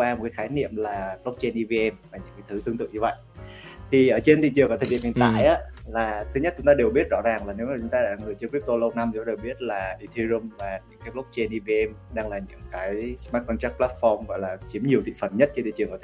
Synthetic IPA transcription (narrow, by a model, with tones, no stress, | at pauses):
waː˧m˨˩kaː˨˦xaː˨˦jnḭ˧˨əmlaː˨˩plk͡p̚t͡ɕɛ˧nʔi˧vi˧ɛ˧mvaː˨˩ɲɨ̰˧˥ŋkaː˨˦jt̪ʰɨ˨˦t̪ɨ˧ŋt̪ɨ̰˧˨əŋɲɨ˧və̰˧˨jʔ | t̪ʰi˨˩ʔəː˧˩t͡ɕe˧nt̪ḭ˧˨t͡ɕɨ˨˩əŋkːt̪ʰɗḭ˧˨˩hḭ˨˩t̪a̰ː˧˨˧jʔaː˨˦laː˨˩t̪ʰɨ˨˦ɲə˦˥t̚t͡ɕʊ˨˦ŋ͡mt̪aː˧e˨˩əwɓi˦˥ət̚zɔ̰˧˥zaː˨˩ŋlaː˨˩ne˨˦wmaː˨˩t͡ɕʊ˨˦ŋ͡mt̪aː˧ɗa̰ː˧˥ŋɨ˨˩t͡ɕkwp̚t̪o˧lə˧wna˧mt͡ɕʊ˧˦t̪aː˧e˨˩wɓi˦˥ət̚laː˨˩ʔi˧t̪ʰi˧zu˧mvaː˨˩ɲɨ̰˧˥ŋkaː˨˦jplk͡p̚t͡ɕe˧nʔi˧vi˧ɛ˧mɗaː˧ŋlaː˨˩ɲɨ̰˧˥ŋkaː˨˦jsmaː˦˥t̚kɔ˧nt͡ɕaː˦˥k̚plaː˦˥t̚fɔ˧mɣɔ̰˧˨jlaː˨˩t͡ɕi˨˦əmɲi˨˩əwsɨ̰˧˨fə˨˩n̚ɲ˦˥t̚t͡ɕnt̪ḭ˧˨˩ɨ˨˩ŋkːəː˧˩˨